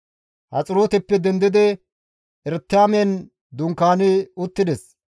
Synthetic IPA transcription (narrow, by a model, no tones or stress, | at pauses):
hɐ̰t͡sʼɪɾoːt̪ɛpːɛd̪ɛnd̪ɪd̪ɪ | ʔɛɾt̪ːaːmɛn | d̪ʊŋkːaːnɪʊt̪ːɪd̪ɛs